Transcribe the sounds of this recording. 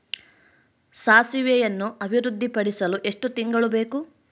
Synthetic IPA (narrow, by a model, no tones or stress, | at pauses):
saːsiʋjɛjɐnːuʔɐbʱiɾud̪ʱːipɐɽisɐluʔe̞ʂʈut̪iŋɡɐɭubeːku